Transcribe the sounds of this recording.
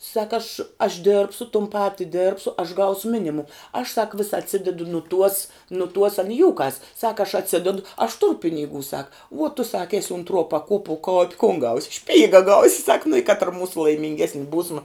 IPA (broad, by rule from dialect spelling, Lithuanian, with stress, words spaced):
ˈsɑːkɐ ɐʃ ɐʃ ˈdʲeːrpsʊ tʊm ˈpɑːtʲɪ ˈdʲeːrpsʊ ɐʃ ˈɡɐʊsʊ ˈmʲɪnʲɪmʊm ɐʃ sɐk ʋʲɪs ɐtʲˈsʲɪdʲɛdʊ nʊ tuɔs nʊ tuɔs ɐn ɪ ˈjuːkɐs sɐk ɐʃ ɐtʲˈsʲɪdʲɛdʊ ɐʃ ˈtʊrʊ pʲɪnʲɪˈɡuː ˈsɑːkɐ uɔ tʊ ˈsɑːkɐ ˈæːsʲɪ ʊntˈruɔ pɐˈkuɔpuɔ koː kʊn ɡɐʊsʲ ˈʃʲpʲiːɡɐ ˈɡɐʊsʲɪ sɐk nʊ ɪ ˈkɑːtrɐ ˈmuːsʊ lˠɐɪmʲɪŋʲˈɡʲæːsʲnʲɪ ˈbuːsmɐ